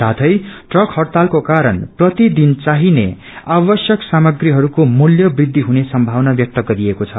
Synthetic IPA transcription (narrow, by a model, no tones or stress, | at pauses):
sat̪ʰʌjʈrʌkʰhʌrt̪alkokaɾʌnprʌt̪id̪int͡saɦinḛ | abʌsjʌksamʌɡriɦʌɾukomuljʌbrid̪ʱːiɦunesʌmbʱawnabjʌk̚t̪ʌɡʌɾiekot͡sʰʌ